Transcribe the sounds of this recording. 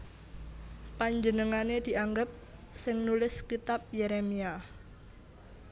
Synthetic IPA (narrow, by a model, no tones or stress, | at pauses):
paɲd͡ʒənəŋaned̪̥i̤ʔaŋɡəp̚ | sɪŋnulɪskit̪ap̚jeɾemia